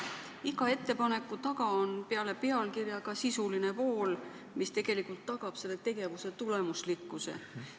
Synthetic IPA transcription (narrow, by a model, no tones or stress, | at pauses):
iɡɑe̞t̪ːˑe̞pɑne̞kːˑut̪ɑɡɑonpe̞ɑle̞pe̞ɑlkirjɑɡɑsisuline̞po̞ːl | mist̪e̞ɡ̥e̞likːˑult̪ːɑɡ̥ɑb̥se̞lːe̞t̪e̞ɡ̥e̞vuse̞t̪ule̞muslikːˑusḛ